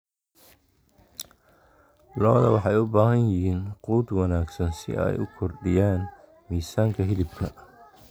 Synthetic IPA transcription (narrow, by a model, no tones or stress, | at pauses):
lɔːðɐwɑħɑjʊbaːɦɐnjɪɦiːnquːd̪wɑnaːɡsɐnsɪ̰ʔɛ̰jʊ̰kʰɔrɖɪjaːn | miːsaːŋkʰɐɦɪlɪbkʰɐ